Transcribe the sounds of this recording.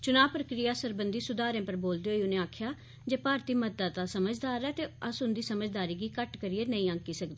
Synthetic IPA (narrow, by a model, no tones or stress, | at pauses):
t͡ʃʊnaːʋpɾəkɾijaːsəɾbənd̪iːsʊd̪aːɾẽːpəɾboːld̪eːɦoːiːʊnẽːaːkʰjaː | d͡ʒeːpaːɾt̪iːməaːt̪aːsəməd͡ʒd̪aːɾɛːt̪eːəsɦʊnd̪iːsəməd͡ʒd̪aːɾiːɡiːkəʈkəɾɪjeːnəĩːə̃ŋkiːsəkd̪eː